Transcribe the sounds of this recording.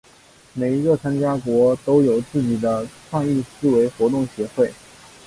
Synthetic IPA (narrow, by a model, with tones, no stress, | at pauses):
me˨˩ɪi˧˥ɡə˧t͡sʰwa˥nt͡ɕja˥kwɔ˧˥t̪o˥ʊjo˨˩ʊt͡sɹ̩˥˩t͡ɕi˨˩d̪ə˦kʰɑ˥˧ŋi˥˧sɹ̩˥˩we˧˥ɪxwɔ˧˥t̪ʊ˥˩ŋɕjɛ˧˥xwe˥˩ɪ